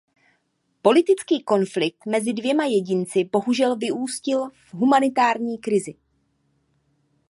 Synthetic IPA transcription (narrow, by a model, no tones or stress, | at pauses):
po̞lɪt̪ɪt͡skiːko̞nflɪk̚t̪mɛzɪdvjɛmajɛɟɪnt͡sɪbo̞ɦuʒɛlvɪʔuːscɪlvɦumanɪt̪aːɾɲiːkɾɪzɪ